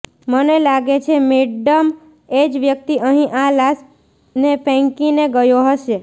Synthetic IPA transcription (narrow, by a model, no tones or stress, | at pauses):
mənelaɡet͡ʃʰemeɖəm | ed͡ʒʋjək̚t̪iʔəɦĩʔalas | nepɛ̃ŋkineɡəjoɦəʃe